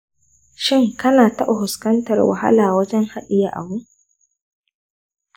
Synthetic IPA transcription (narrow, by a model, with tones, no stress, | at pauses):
ʃɪ˦ŋkɐ˦naː˨tɐ˦ʔa˨hʊ˨skɐ˦ntɐ˨rwa̰˨ha̰˦laː˨wɐ˦d͡ʒɛ˦ŋha˦ɗɪ˨ja˨ʔa̰˨bʊ˦